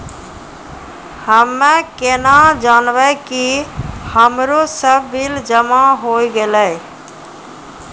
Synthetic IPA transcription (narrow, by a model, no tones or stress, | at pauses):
həmːẽkenad͡ʒaːnbəkihəmɾosəbːild͡ʒəmaɦoːiɡelə